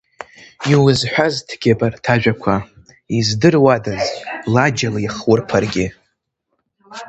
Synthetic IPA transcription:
iwʊzħʷᶣaztʰɡ̥ʲebʼartʰaʒᶣakʷʰa | izdɨrwadazlad͡ʒalaiχwʊrpʰarɡʲɪ

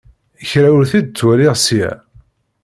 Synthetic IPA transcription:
çɾæwəɾθid̪̚t͡sːwælɪʁsijæ̰

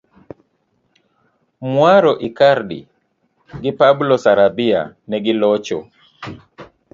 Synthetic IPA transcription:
mwaɾɔʔikaɾdḭ | ɡɪpablɔsaɾabia̰nɛɡɪlɔt͡ʃɔ̰

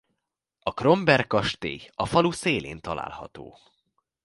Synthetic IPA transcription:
ɒkro̞mbɛrkɒʃt̪eːɒfɒluseːlḛːnt̪ɒla̰ːlhɒ̰t̪o̰ː

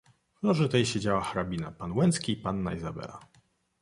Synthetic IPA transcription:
vnɔʐɨt̪ɛjɕed͡ʑawaxaɾabʲina̰panwɛnt̪skʲiːpanːaizabɛ̰la̰

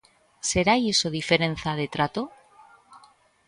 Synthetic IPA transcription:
se̞ɾajesoðife̞ɾẽ̞nθaðe̞t̪ɾat̪o

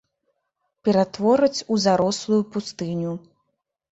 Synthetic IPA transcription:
pʲɛɾat̪vɔɾɨt͡sʲuzaɾɔslˠujupust̪ɨnʲu

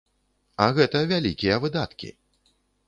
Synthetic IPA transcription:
ɐɣɛt̪ɐvʲalʲikʲijɐvɨd̪at̪kʲḭ

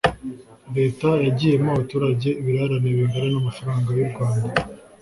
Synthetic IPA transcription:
ɾe̞ːtajaɟiːjemaβatuːɾaɟe̞βiɾaɾaneβiŋɡaɾenamafaɾaːŋɡajubɡwaːnda

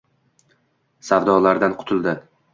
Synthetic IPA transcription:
sawd̪ɒlaɾd̪anqʰʊ̥t̪ʰɪlˠd̪ɪ

